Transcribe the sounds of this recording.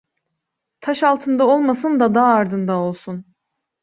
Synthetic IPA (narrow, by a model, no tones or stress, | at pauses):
t̪ʰaʃalˠt̪ʰɯnd̪ao̞lˠmasɯnd̪ad̪aːɾd̪ɯnd̪ao̞lˠsun